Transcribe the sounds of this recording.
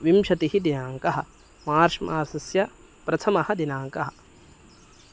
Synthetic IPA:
ʋimʃɐt̪ihid̪inaːŋkɐɦɐ̆ | maːɾʃmʔaːɾsɐsjɐ | pɾɐt̪ʰɐmɐhɐd̪inaːŋkɐɦɐ̥̆

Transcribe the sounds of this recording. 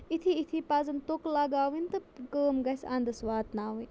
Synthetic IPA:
it̪ʰiit̪ʰiːpaːzɐnt̪oklaɡaːʋint̪ɐkəːmɡɐsʲã̰nd̪ɨsʋaːt̪naːʋi

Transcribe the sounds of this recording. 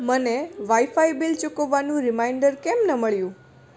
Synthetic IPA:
məneʋaifaibilt͡ʃukoʋːanũɾɪmaiɳɖəɾkemnəməɭjũ

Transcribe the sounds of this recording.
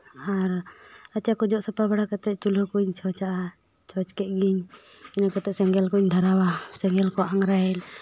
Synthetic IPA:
aɾat͡ʃakud͡ʒɔʔsapabaɽakat̪ɛʔt͡ʃulukuiɲt͡ʃɔt͡ʃaʔa | t͡ʃɔt͡ʃkɛʔɡiɲ | inɔkat̪ɛʔsɛŋɡɛlkuiɲd̪ʱaɾawasɛŋɡɛlkɔʔaŋɾajl

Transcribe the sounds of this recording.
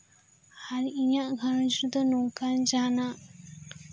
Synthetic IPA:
haɾiiɲaʔɡʱaɾnd͡ʒud̪ənuŋkand͡ʒanaʔ

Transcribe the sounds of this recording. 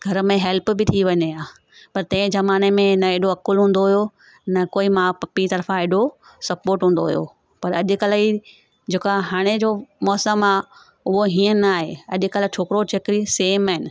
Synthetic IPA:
ɡʱɐɾəmẽɦɛlpbɪt̪ʰiʋɐɲeaː | pɐɾt̪ɐ̃ɪ̃zɐmaːnemẽnɐeːɗoɐkʊlɦũːnd̪oɦʊjo | nɐkoːimãpɐpĩːt̪ɐɾfãeːɗo | sɐpoːɾʈɦũːn̆d̪oɦṵjo̰ | pɐɾɐʄʊ̆kɐli | d͡ʑeːkaɦaːɽ̃ed͡ʑoːmɔːsəmaː | ʊɦoɦĩːə̃naaːɦḛɐ̰ʄʊ̆kɐlt͡ɕʰoːkɪɾot͡ɕʰekɪɾiseːmaːɦɪnɪ̆

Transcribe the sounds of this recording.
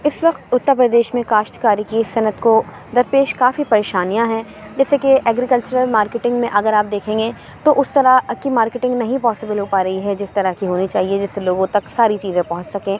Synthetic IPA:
ɪsʋɐqt̪ʊt̪ːəɾpɾɐd̪eːʃmẽkaːʃt̪kaːɾikisːɐnət̪ko | d̪ɐɾpeːʃkaːfipɐɾeːʃaːnijãɦɛ | d͡ʒɛːsekeʔɛːɡɾikɐlt͡ʃəɾəlmaːɾkeʈɪ̃ŋɡmẽʔɐɡəɾaːp̚d̪eːkʰẽːŋɡe | t̪oʔʊst̪ɐɾakimaːɾkeʈɪ̃ŋɡnɐɦĩpɔːsɪbəlɦopaːɾɐɦiɦɛd͡ʒɪst̪ɐɾakiɦoːnit͡ʃaːɦied͡ʒɛsːeloːɡõt̪ɐksaːɾit͡ʃiːzẽpɐɦʊ̃t͡ʃsɐkẽː

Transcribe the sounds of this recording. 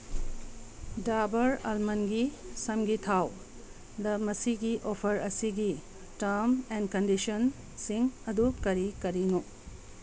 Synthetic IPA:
dabɐɾɐ̰lmɐnɡisɐmɡitʰaw | dɐmɐsiɡiʔopʰɐɾɐsiɡi | tɐɾmenkɐndisɐn | siŋɐdukɐɾikɐɾino

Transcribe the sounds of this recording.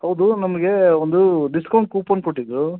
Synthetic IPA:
hɐwd̪unɐmɐɡe̞ond̪uɖiskɐwɳʈ̚kuːpɐɳkoʈːid̪ɾu

